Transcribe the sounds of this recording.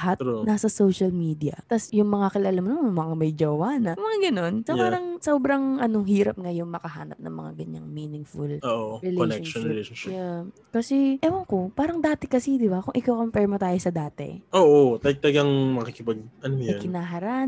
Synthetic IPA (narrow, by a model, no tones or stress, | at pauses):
ɐɦat̪nasɐsowʃɐlmiːd̪iɐ̰t̪ɐsjʊŋmɐŋakɪlalamnoʊmɐŋamɐjd͡ʒɐwaːnɐmɐŋaɡɐno̞nsɐpaːɾɐŋsoːbɾɐŋʔɐno̞ɦiːɾɐp̚ŋajʊŋmɐkɐha̰ːnɐp̚nɐ̰ŋmɐ̰ŋa̰ɡɐɲa̰ŋmiːnɪŋfʊloːʔʔɹɛloʃɛonʃɛleʃonʃɪja | kɐsɛʔɛwɐŋkopaːɾɐŋd̪aːt̪ɪkɐsid̪ɪbakʊŋʔɪkawkɐmpɛɹmot̪aːjosɐd̪aːt̪ɛ̰ʔoːʔot̪ɐɡ̚t̪ɐlɐɡaŋmɐkikɪpɐɡ̚ɐnoɐkɪnaːɦɐɾan